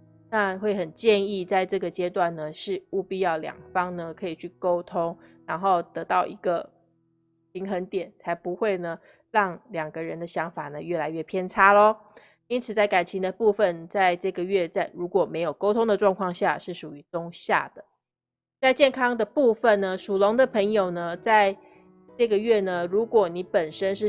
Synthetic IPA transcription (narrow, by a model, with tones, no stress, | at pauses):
na˥˧xwe˥˩ɪxə˨˩nt͡ɕjɛ˥˧ni˥˧t͡sa˥˧ɪʈ͡ʂɤ˥˩ɡə˩t͡ɕjɛ˥t̪wa˥˩nnə˩ʂɻ̩˥˩u˥˧pi˥˧jɑ˥˩ʊljɑ̰˨˩ŋfɑ˥ŋnə˨kʰɤ˧˥i˨˩t͡ɕʰy˥˩ko˥ʊt̪ʰʊ˥ŋɻa˧˥nxo˥˩ʊt̪ɤ˧˥t̪ɑ˥˩ʊʔḭ˧˥ɡə˧ | pʰi˧˥ŋxə˧˥nt̪jɛ˨˩˦nt͡sʰa˧˥ɪpu˧˦˥xwe˥˩ɪnə˩ | ɻɑ˥˩ŋljɑ˨˩ŋɡə˧˦ɻə˧˦nd̪ə˧ɕjɑ˧˥ŋfa˨˩nə˦ɥɛ˥˩la˧˥ɪɥɛ˥˩pʰjɛ˥˩nʈ͡ʂʰa˥lə˨ | i˥nt͡sʰɹ̩˨˩t͡sa˥˩ɪka˨˩nt͡ɕʰi˧˥ŋd̪ə˧pu˥˧fə˨nt͡sa˥˧ɪʈ͡ʂɤ˥˩ɡə˩ɥɛ˥˧t͡sa˥˩ɪɻu˧˥kwɔ˨˩me˧˥ɪjo˨˩ʊko˥ʊt̪ʰʊ˥ŋd̪ə˨ʈ͡ʂwɑ˥˧ŋkʰwɑ˥˧ŋɕja̰˥˨ʂɻ̩˥˩ʂu˨˩y˧˥t̪ʊ˥ŋɕja̰˥˩d̪̥ə˩ | t͡sa˥˧ɪt͡ɕjɛ˥˩nkʰɑ˥ŋd̪ə˨pu˥˧fə˨nnə˩ʂu˨˩lo˧˥ŋd̪ə˨pʰə˧˥ŋjo˨˩ʊnə˩t͡sa˥˧ɪ | ʈ͡ʂɤ˥˩ɡə˩˨ɥɛ˥˩nə˩ɻu˧˥kwɔ˨˩ni˧˥pə˨˩nʂə˥nʂɻ̩˥˩